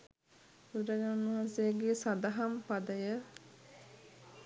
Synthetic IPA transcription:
uɾaɲaunuɦansejəɡeːsad̪aɦampad̪əjə

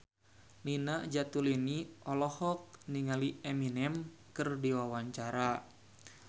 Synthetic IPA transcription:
linaʔd͡ʒat̪uliniʔɔlɔhɔk̚niŋalieminɛmkɨrdiwawaɲt͡ʃaɾa

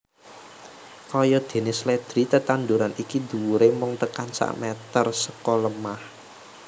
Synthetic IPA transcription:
kɔjɔd̪̥e̤nɪslɛd̪̥ɾit̪ət̪and̪uɾanikid̪̥uɾemɔŋt̪əkansa̰ʔmɛt̪ərsəkɔləmah

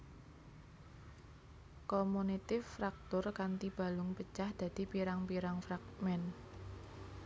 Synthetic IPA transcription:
kɔmunit̪ɪfɾak̚t̪ʊrkant̪ib̥a̤lʊŋpət͡ʃahd̪̥ä̤d̪̥i̤piɾaŋpiɾaŋfɾak̚mɛn

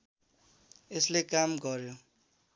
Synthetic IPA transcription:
eslekamɡʌɾjo

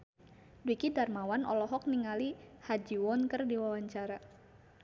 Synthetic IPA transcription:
dikidarmawanɔ̰lɔɦɔk̚niŋalihad͡ʒiwɔnkərdiwawaɲt͡ʃaɾa

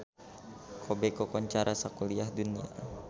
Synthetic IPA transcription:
kʰɔbekɔkɔɲt͡ʃaɾʔasakuliahdunia̰

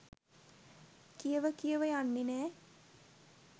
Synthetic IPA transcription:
kijəʋəkijəʋəjanːenæː

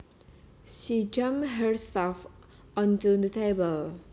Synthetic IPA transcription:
ʃid͡ʒʌ̃mɦəɹstaf | ɔ̃ntud̪ətʰebəl

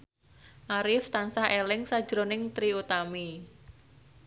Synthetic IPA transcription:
ʔaɾɪft̪ansahelɪŋsḁʒ̥ɾonɪŋt̪ɾiut̪ami

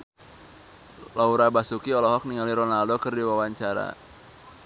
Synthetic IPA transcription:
lauɾabasukiɔlɔɦɔk̚niŋaliɾɔnaldokərdiwawaɲt͡ʃaɾa̰

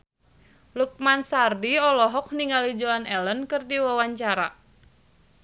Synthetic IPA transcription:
luk̚mansardiɔlɔɦɔk̚niŋalid͡ʒoanɛlənkɨrdiwawaɲt͡ʃaɾa

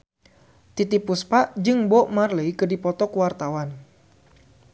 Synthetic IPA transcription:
t̪it̪ipuspaʔd͡ʒɨŋbɔʔmarleikɨdipɔt̪ɔkuwart̪awan

